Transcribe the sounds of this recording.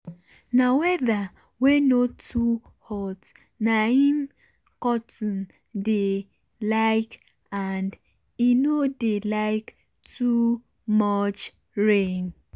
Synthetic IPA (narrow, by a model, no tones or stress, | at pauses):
nawɛða | wenotʰu | hɔt | naɦim̩ | kɔtɔn̩ | de | laɪk | and | inodelaɪk | tu | mɔt͡ʃ | ɾen